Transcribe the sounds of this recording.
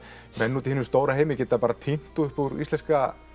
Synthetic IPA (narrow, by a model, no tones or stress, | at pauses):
mɛnːuːt̪ɪhɪnʏmst̪oːwɾaɦeːjmɪcɛːt̪apaːɾat̪ʰin̥t̪uʏhpuɾḭst̪ɛnska